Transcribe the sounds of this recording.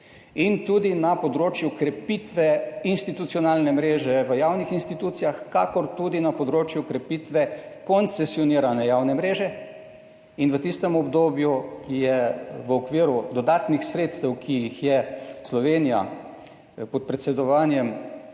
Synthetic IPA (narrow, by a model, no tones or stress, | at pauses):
int̪ud̪inapɔd̪ɾoːt͡ʃjukɾɛpit̪ʋɛinst̪it̪ut̪siɔnaːlnɛmɾeːʒɛʋəjaːwnixinst̪it̪uːt̪sijaxka̰kɔɾt̪ud̪inapɔd̪ɾoːt͡ʃjukɾɛpit̪ʋɛkɔnt̪sɛsjɔniːɾanɛjaːwnɛmɾeːʒɛ | inʋət̪ist̪ɛmɔbd̪oːbjujɛʋəɔkʋiːɾud̪ɔd̪aːt̪nixsɾeːt̪st̪ɛwkʰijixjɛslɔʋeːnija̰ | pɔt̪̚pɾɛt̪sɛd̪ɔʋaːnjɛm